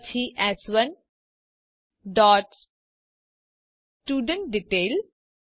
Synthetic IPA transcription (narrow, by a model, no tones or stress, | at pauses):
t͡ʃʰiʔɛsʋə̃n | ɖɔːʈ | ʈjuːɖə̃ɳʈ̚ɖiʈeːl